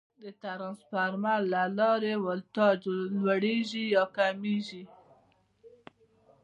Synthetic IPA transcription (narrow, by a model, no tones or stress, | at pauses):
d̪ət̪aɾɑnspaɾmaɾlalɑɾewalt̪ɑd͡ʒolwaɽeʒijɑkamiʒi